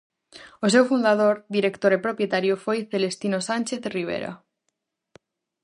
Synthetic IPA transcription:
os̬ewfund̪að̞oɾðiɾekt̪oɾepɾopjet̪aɾjofojθelest̪inosanʲt͡ʃeθriβ̞ḛɾa̰

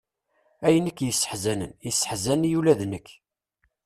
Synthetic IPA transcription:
æjənəkːjəsːə̥ħzænə̰njəsːə̥ħzænjulæðnəkː

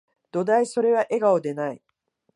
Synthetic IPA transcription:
d̪̥o̞d̪aiso̞ɾe̞βaʔe̞ɡaod̪e̞nai

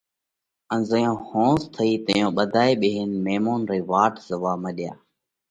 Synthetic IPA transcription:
ənzəjõːhõːst̪ʰəiːt̪ə̰jõːɓəd̪ʱaːeːɓeːɦənmeːmoːnɾiːʋaːʈʰzəʋaːməɗɪjaː

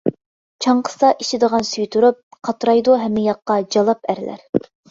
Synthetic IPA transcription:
t͡ʃʰɑɴqʰə̥sɑʔiʃɪd̪əʁɑnsyjt̪ʰuɾup̚qʰɑt̪ɾɑjd̪uɦɛmːɪjɑqːɑd͡ʒɑlˠɑpæɾlæ̰ɾ

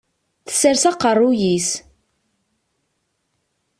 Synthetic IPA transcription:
θə̥sːəɾsɑqərˤːujis

